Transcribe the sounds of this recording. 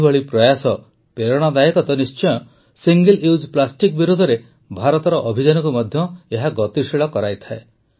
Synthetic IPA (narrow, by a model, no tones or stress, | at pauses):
bɔɭipɾɔjasɔ | peɾɔɽ̃ad̪ajekɔt̪ɔnist͡ʃɔjɔ | siŋɡeliwd͡ʒplasʈikbiɾud̪ʱɔɾe | bʱaɾɔt̪ɔɾɔʔɔbʱid͡ʒanɔkumɔd̪ʱjɔeɦaɡɔt̪iʃiɭɔkɔɾajt̪ʰae